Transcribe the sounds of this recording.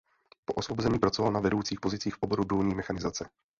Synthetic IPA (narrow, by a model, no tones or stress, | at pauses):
poʔosvobozɛɲiːpɾat͡sovalnavɛdowt͡siːxpozɪt͡siːxfʔoboɾudulɲiːmɛxanɪzat͡sɛ